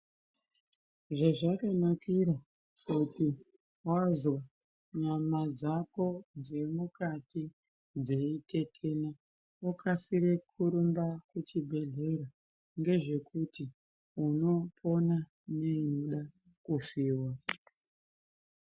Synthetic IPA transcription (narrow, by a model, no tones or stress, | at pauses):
ʐaʐakanakiɾa | kuti | wazwa | ɲamad͡zako̞d͡ze̞mukati | d͡ze̞ite̞tʰe̞na | ukasiɾekʰuɾumbakut͡ʃibʱe̞ɮe̞ɾa | ŋɡe̞ʐe̞kuti | uno̞pʰo̞na | ne̞ɲuɗa | kufiːwa